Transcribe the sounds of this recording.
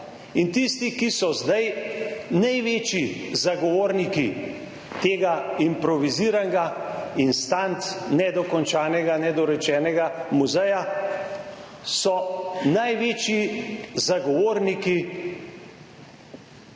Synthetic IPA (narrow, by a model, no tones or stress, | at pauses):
int̪ist̪ikisɔzd̪ajnajʋeːt͡ʃizaɡɔʋoːɾniki | t̪eːɡaimpɾɔʋiziːɾanɡainst̪ant̪nɛd̪ɔkɔnt͡ʃaːnɛɡanɛd̪ɔɾɛt͡ʃɛːnɛɡamuzɛja | sɔnajʋeːt͡ʃjizaɡɔʋoːɾniki